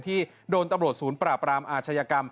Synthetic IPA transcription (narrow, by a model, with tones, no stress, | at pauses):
t̪ʰiː˥˩ | doː˧nt̪a˧mɾu˨˩t̪̚suː˩˦npɾaː˨˩pɾaː˧mʔaː˧˩t͡ɕʰa˧jaː˧ka˧m